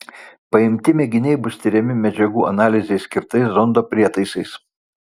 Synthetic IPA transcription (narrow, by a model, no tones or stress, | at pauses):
pɐɪmʲt̪ʲɪmʲɛɡʲɪnʲɛɪbʊst̪ʲɪɾʲɛmʲɪmʲɛd͡ʒʲɛɡuːʔɐnɑːlʲɪzʲɛɪsʲkʲɪɾt̪ɐɪszɔnd̪oːpʲɾʲiɛt̪ɐɪsɐɪs